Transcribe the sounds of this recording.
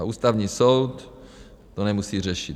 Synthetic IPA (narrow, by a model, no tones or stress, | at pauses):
uːst̪avɲiːsowt̪ː | onɛmusiːr̝ɛʃit̪